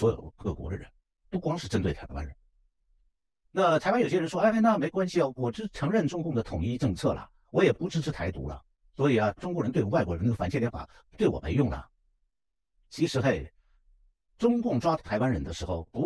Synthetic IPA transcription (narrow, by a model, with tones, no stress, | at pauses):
swɔ˧˥jo̰˨˩ʊkɤ˥˩kwɔ̰˧˥d̪ə˧ɻə̰˧˥n | pu˥˩kwɑ˥ŋʂɻ̩˥˩ʈ͡ʂə˥nt̪we˥˩ɪt̪ʰa˧˥ɪwa̰˥nɻə˧˥n | na˥˩t̪ʰa˧˥ɪwa˥njo˨˩ʊɕjɛ˥ɻʂwɔ˥a˥ɪa˥ɪna˥˩me˧˥ɪkwa˥nɕi˨˩wɔ˨˩ʈ͡ʂɻ̩˥ʈ͡ʂʰɤ˧˥ŋɻə˥˩nʈ͡ʂʊ˥ŋkʊ˥˩ŋd̪ə˩t̪ʰʊ˨˩ŋi˥˧ʈ͡ʂɤ˥˧ŋt͡sʰɤ̰˥˩lɐ̰˩ | wɔ˧˥jɛ˨˩pu˧˥ʈ͡ʂɻ̩˥ʈ͡ʂʰɻ̩˥t̪ʰa˧˥ɪt̪ṵ˧˥lɐ̰˧˨ | swɔ˧˥i˨˩ɐ˦ʈ͡ʂʊ˥ŋkwɻə˧˥nt̪e˥˩ɪ˩˧˥wa˥˩wɔ˧˥˧n˥˩ə˩fa˨˩nt͡ɕʰjljɛ˥nfa̰˨˩˦ | t̪we˥˩ɪwɔ̰˨˩me˧˥ɪjʊ˥˩ŋlə̰˩ | t͡ɕʰi˧˥ʂɻ̩˧˥xe˥˩ɪ | ʈ͡ʂʊ˥ŋkʊ˥˩ŋʈ͡ʂwa˥a˧˥ɪwa˥nɻə˧˥nd̪ə˧ʂɻ̩˧˥xo˥˩ʊpu˧˥